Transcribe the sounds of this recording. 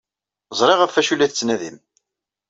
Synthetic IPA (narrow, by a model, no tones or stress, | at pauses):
zˤɾˤeʁæfːæʃulːæθt͡sːnæðim